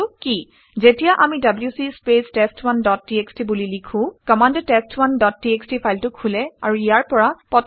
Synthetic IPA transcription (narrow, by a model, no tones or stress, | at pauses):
ki | zetijaʔamidabljusispestestwandɔt̚ːiekstibulilikʰũkɔmandtestʰwandɔtːiekstipʰajltʊkʰulɛa̰ɹuijaɹpɔɹapɔt